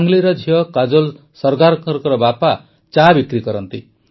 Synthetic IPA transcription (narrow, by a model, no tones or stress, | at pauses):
ŋɡliɾʌd͡ʒʱijʌkad͡zol | sʌɾɡaɾkʌɾkɾʌbapa | t͡ʃabikɾikʌɾʌnt̪i